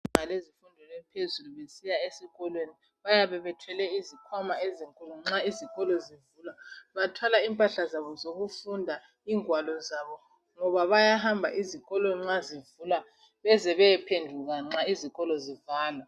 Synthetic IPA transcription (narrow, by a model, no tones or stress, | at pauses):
ŋalezifundʱɔlɛpʰezuluβesijaesiɣɔlweni | βajaβɛβɛtʰwɛlɛizikʰwamaeziŋkʼuluŋ͡ǁaiziɣʼɔlɔzivulaβatʰwalaimpʼaɬazaβɔzoɣufundʱa | iːŋwalɔzaβɔ | ŋɔβaβajahambʱa̰ʔiziɣʼɔlweniŋ͡ǁazivula | βɛzɛβɛɛpʰendʱuɣaŋ͡ǁaiziɣʼɔlɔzivaːlwa